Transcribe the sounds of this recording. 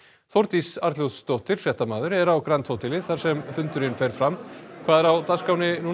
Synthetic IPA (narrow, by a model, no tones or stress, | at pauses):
θowɾt̪isaɾt̪ljow̪st̪owht̪ɪɾ̥fjɛht̪amaːðʏɾɛɾawkɾant̪ʰowt̪ɪlɪθaɾ̥sɛmfʏnt̪ʏɾɪnfejɾ̥fɾamkʰvaːðɛɾawt̪askaːwnɪnu